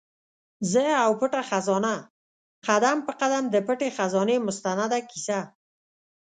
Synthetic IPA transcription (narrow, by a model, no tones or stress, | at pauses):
zəawpəʈaxazɑna | qad̪ampəqad̪amd̪əpəʈexazɑnemʊst̪anad̪akisa